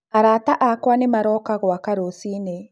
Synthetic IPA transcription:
aɾaːtaʔakwanemaɾɔːkaɣɔakaɾosiːne

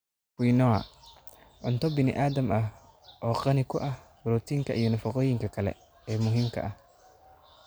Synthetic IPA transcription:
kijnɔɐ | ʕʊnt̪ʰɔbɪnɪ̰ʔaːd̪ɐmʔɐh | ʔɔːqɑnɪkʰʊʔɐh | ɾuːt̪ʰiːŋkʰɐʔijɔnɐfɐqɔːjɪŋkʰɐkʰɐlɛ̰ | ɛːmʊɦiːmkʰɐ̰ʔɐh

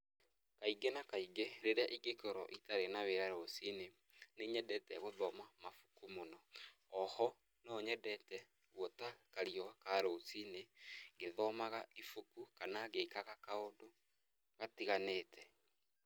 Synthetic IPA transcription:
kaiɡenakaiɡeɾeɾeaʔiɡekɔɾɔ̰ʔitaɾenaweɾaɾosine | neɲɛdɛtɛɣoðɔmamafu̥kumonɔː | hɔ | nɔɲɛdɛtɛ | ɣwɔtakaɾiɔkaɾosineɡeðɔmaɣaifukukanaɣeːkaɣakaodo | ɣatiɣaneːtʰɛ

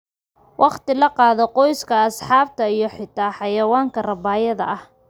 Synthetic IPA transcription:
wʔɑqt̪ɪlɐqɑːðɔqɔjskʰɐːsħɑːb̚t̪ʰɐijɞħɪt̪ʰaːħɑjɐwaːŋkʰɐrɐbaːjɐðɐ̰ʔɐh

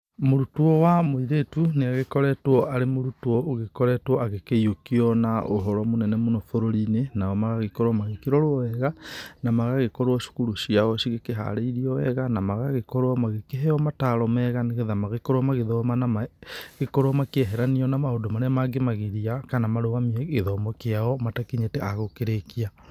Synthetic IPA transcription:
moɾutwɔwamoiɾetuneaɣekɔɾɛtwɔʔaɾemoɾutwɔːɣekɔɾɛtwɔaɣekeiokiɔnaoɦɔɾwɔmonɛnɛmonɔfoɾoɾinenaɔmaɣaɣekoɾwɔmaɣekeɾɔɾoɔɛɣanamaɣaɣekɔɾwɔʃu̥kuɾuʃiaɔʃiɣekeɦa̰ɾeiɾiɔɛɣanamaɣaɣekɔɾoɔmaɣekeɦɛɔmataɾɔmɛɣaneɣeðamaɣekɔɾwɔmaɣeðɔmanamaɣekɔɾwɔmakeɛɦɛɾaniɔnamaodomaɾɛmaɡemaɣeɾiakanamaɾoɣamiɛɣeðɔmɔkeaɔmatakeɲeteaɣokeɾekia

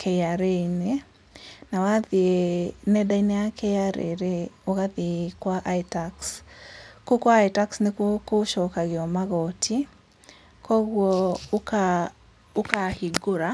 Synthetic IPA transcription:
kʰɛaɾene | nawaðienɛɗainɛakɛaɾḛɾeoɣaðikwaʔaitaks | kukwaːitaksnekwɔkoʃɔkaɣeɔmaɣɔtʰi | kɔɣwɔka | okahiɡoɾa

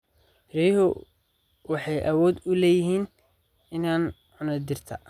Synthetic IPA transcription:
rɛhʊ | wɑħɑjʔɐwɔːd̪ʊlɛːjɪɦiːn | ɪnaːn | ʕʊnɐd̪ɪrt̪ʰɐ̰

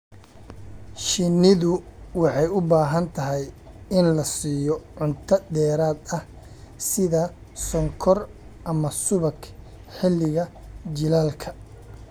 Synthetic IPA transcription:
ʃɪnɪðʊwɑħɑjʊbaːɦɐnt̪ʰɐɦɛj | ɪnlɐsiːjɔʕʊnt̪ʰɐd̪ɛːɾaːd̪ɐh | sɪðɐ | sɔŋkʰɔrʔɐmɐsʊβɐk | ħɪlːɪɣɐt͡ʃɪlaːlkʰɐ̥

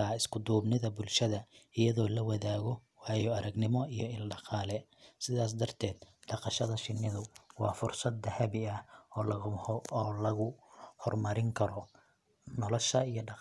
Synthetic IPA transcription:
aːɪskʰʊd̪uːbnɪðɐbʊlʃɐðɐɪjɐðɔːlɐwɑðaːɣɔwɑːjɔɐɾɐɡnɪmɔijɔɪlɖɑqɑːlɛsɪðaːs̬d̪ɐrt̪ʰɛːd̪ɖɑqɑʃɐðɐʃɪnːɪðʊwɑːfʊrsɐd̪ːɐhɐβɪɐ | lɐɣʊhɔrmɐɾɪŋkʰɐɾɔ | nɔlɔʃɐijɔɖɑ

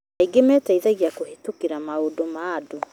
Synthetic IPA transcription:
aiɡemɛːtaiðaɣiakohetukiɾamaodomaːdo

